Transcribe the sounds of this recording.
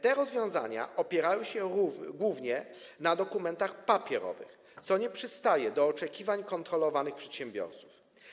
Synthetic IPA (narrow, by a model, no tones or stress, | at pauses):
t̪ɛɾɔzvʲjɔ̃w̃za̰ɲa̰ʔɔpʲjɛɾajɔw̃ɕɛɾuɡwuvɲɛ | nad̪ɔkumɛnt̪axpapʲjɛɾɔ̰vɘ̰x | t̪sɔɲɛpʂɘst̪ajɛd̪ɔːt͡ʂɛkʲivaɲkɔnt̪ɾɔlɔvanɘxpʂɛt̪ɕɛmbʲjɔ̰ɾt̪su̥f